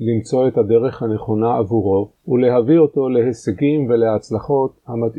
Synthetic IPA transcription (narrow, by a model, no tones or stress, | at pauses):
limt͡so̞e̞t̪hade̞ʁe̞χhane̞χo̞naavuʁo̞ | ule̞ɦavio̞t̪o̞le̞ɦeseɡimve̞leat͡slaχo̞thamat̪